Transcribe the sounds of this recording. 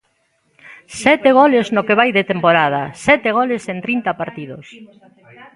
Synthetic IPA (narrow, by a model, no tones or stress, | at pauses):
sɛt̪eɣɔleznokeβajðet̪empoɾað̞ɐsɛt̪eɣ̞ɔlesent̪ɾint̪ɐpaɾt̪iðʊs